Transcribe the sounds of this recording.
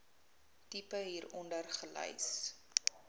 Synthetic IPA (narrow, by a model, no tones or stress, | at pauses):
tipəɦiːɾɔndərχələ̰js